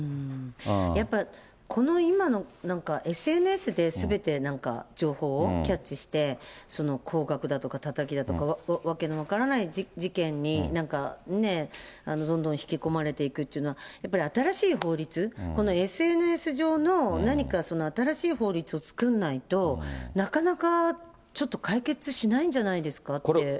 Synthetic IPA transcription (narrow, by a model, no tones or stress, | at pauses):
ɯ̟̃ | japːa | kʰo̞no̞imano̞nãŋkaʔe̞sɨe̞nɯ̟e̞sɨd̪e̞sɨbe̞t̪e̞nãŋka̰d͡ʑo̞ːho̞ːkʲat͡ɕt͡ɕːɕiɕi̥t̪e̞so̞no̞kʰo̞ːɡakɯ̟d̪at̪o̞kat̪at̪akʲid̪at̪o̞kaβaβake̞noβ̞akaɾanaiid͡ʑikẽ̞ɲ̟ːinãŋkane̞ano̞d̪õ̞nd̪õ̞çi̥kʲiko̞maɾe̞t̪e̞ikɯ̟t̪ːeiɯ̟noajapːaɾʲiat̪aɾaɕiːɦo̞ːɾʲit͡sɨko̞no̞e̞sɨe̞nɯ̟e̞sɨʑo̞ːno̞naɲ̟ikaso̞no̞at̪aɾaɕiːho̞ːɾʲit͡sɨo̞t͡sɨ̥kɯ̟̃nːait̪o̞nakanaka | t͡ɕo̞t̪ːo̞kaike̞t͡sɨɕinaĩɲ̟d͡ʑanaid̪e̞sɨ̥kat̪ːe